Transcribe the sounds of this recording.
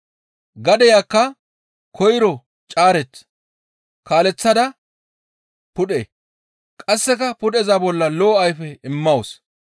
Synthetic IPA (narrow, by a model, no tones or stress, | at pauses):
ɡɐd̪ɛjaːkːɐ | kʰɔjɾɔ | t͡ʃʼaːɾɛt͡sː | kaːlɛt͡sːɐd̪ɐ | pʊɗeː | kʼɐsːɛkɐpʊɗɛzaːbɔlːɐloːɐjfɛɪmːɐws